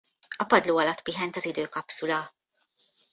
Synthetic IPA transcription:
ɒpɒd̪loːɒlɒt̪ːpiɦɛnt̪ɒzid̪øːkɒpsulɒ

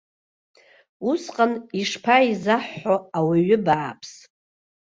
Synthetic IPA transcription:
usqʼaniʂpʰaizaħːoawaɥʏbaːpʰs

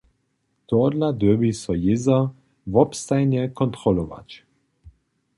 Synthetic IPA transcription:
t̪ɔd̪lad̪ɛbisɔjɪza | vɔpst̪ajnɛkɔnt̪ɾɔlɔva̰t͡ɕ

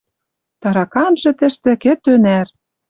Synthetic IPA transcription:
t̪ɑɾɑkɑnʒɤ̆t̪ɘ̆ʃt̪ɘ̆kĕt̪ønær

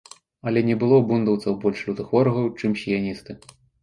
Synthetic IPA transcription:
ɐlʲɛnʲɛbɨlˠɔbund̪ɐwt̪sɐwbɔlʲʂlʲut̪ɨxvɔɾɐɣɐwt͡ʂɨmsʲijanʲist̪ɨ

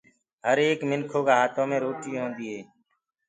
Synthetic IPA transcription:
ɦəɾeːkmɪnkʰoːkaːɦaːt̪õːmẽːɾoːʈiːɦõːnd̪iːɦeː

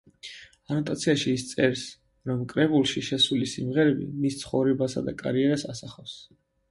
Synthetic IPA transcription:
anɔt̪ʼat̪sʰiaʃiːst̪sʼɛɾs | ɾɔmkʼɾɛbulˠʃiʃɛsulisimʁɛɾɛbḭmist̪sʰχɔvɾɛbasa̰d̪a̰kʼaɾiɛɾasasaχafs

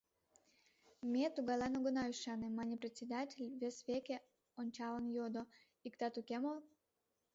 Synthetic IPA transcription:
mʲet̪uɣɑlɑnoɣənɑyʃɑnemɑnʲeprʲet̪ʲsʲed̪atʲelʲβesβeke | onʲt͡ɕɑlənjod̪o | ikt̪ɑt̪ukemol

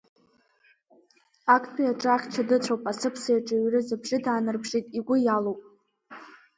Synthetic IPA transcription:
akʷʰʼpʰiaʈ͡ʂʼaχʲʈ͡ʂʰadɨt͡ɕʷʰowpʼasɨpʰsajaʈ͡ʂʼaɥrɨzɨbʐɨdaːnɨrbʒejtʼiɡʷʊjalowpʼ

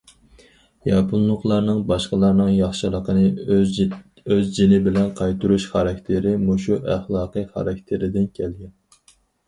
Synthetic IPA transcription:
jɑpʰunlˠʊχlˠɑɾnɨŋbɑʃqəlˠɑɾnɨŋjɑχʃɨlˠəqənɨ | øzd͡ʒinɪbɪlɛnqʰɑjt̪ʰuɾuʃχɑɾɑkʲt̪ʰɪɾɪmuʃuʔæχlˠɑːqɨjχɑ̰ɾɑk̚ʲt̪ʰɪɾɪd̪ɪnkʲʰɛlɡʲɛn

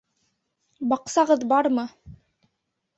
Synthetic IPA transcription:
bɑqsɑʁɤðbɑɾmɤ

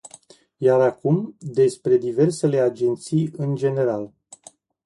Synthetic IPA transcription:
jaɾakumd̪e̞spɾe̞d̪ive̞rse̞le̞ad͡ʒe̞nt̪sijɨnd͡ʒe̞ne̞ɾal

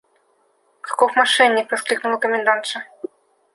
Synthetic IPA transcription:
kḁkɔxmaʂɛnʲːikpɐsklʲiknulˠɐkɔmʲɛnd̪ant̪ʂɐ

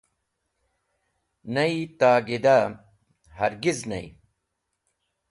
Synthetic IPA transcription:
nɐit̪aːɡid̪a | hɐɾɡiznɐ̰ḭ

